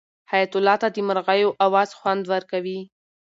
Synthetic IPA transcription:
hajat̪ʊlɑt̪ad̪əməɾɣajoʔawɑz̥xwand̪wəɾkawi

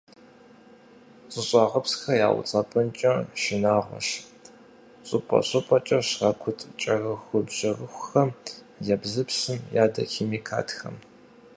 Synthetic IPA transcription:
t͡sʼɨɕʼɑːʁɐpsxɐja̰ːwʊ̰t͡sʼɐpʼɐnt͡ʃʼɐʃɪnaːʁʷɔ̰ʃ | ɕʼʊpʼɐ̰ɕʼʊpʼɐt͡ʃʼɐɕrɐkʷʰʊtʼt͡ʃʼɐrɐxʷʊbʑ̥ɐrɨxʷxɐm | jɛbzɨpsɨmjaːdɐ̰xeːmiːkʰa̰ːtxɐ̰m

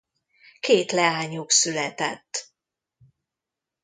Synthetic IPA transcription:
keːt̪lɛaːɲuksylɛt̪ɛt̪ː

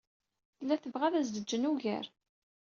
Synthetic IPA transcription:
θəlːæθəvʁæðæzd̪əd͡ʒːənuʝæ̰ɾ

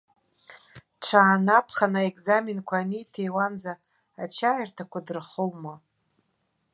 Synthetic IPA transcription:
ʈ͡ʂʰaːnapʰχanaekʼzaminkʷʰaːnijtʰejwanzaː | t͡ʃʰajrtʰakʷadɨrχowma

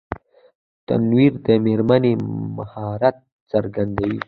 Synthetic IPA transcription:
t̪a̰nwiɾd̪əmeɾmanema̰hɑɾat̪̚ | səɾɡand̪awḭ

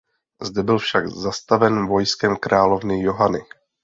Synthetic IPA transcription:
zdɛbɪlfʃaɡzast̪avɛnvo̞jskɛmkɾaːlo̞vnɪjo̞ɦanɪ

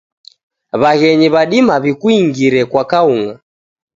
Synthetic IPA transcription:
βaɣɛɲiβaɗimaβikuiŋɡiɾɛkwakauŋa

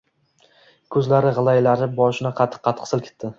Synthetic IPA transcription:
kʰɵzlaɾɪʁɨlˠajlaɾɪbɒʃɪnɪqʰɑt̪ʰːɪ̥qʰːɑt̪qʰɨ̥sɪlˠkʰʲɪ̥t̪ːɪ

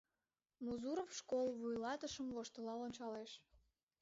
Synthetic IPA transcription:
muzuɾofʃkolˠβujlɑt̪əʃəmvoʃt̪əlɑlonʲt͡ɕɑleʃ

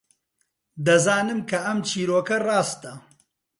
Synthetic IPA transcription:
d̪ɐzaːnɨmkʰɐʔɐmt͡ʃʰiːɾoːkɐrɑːst̪ɐ

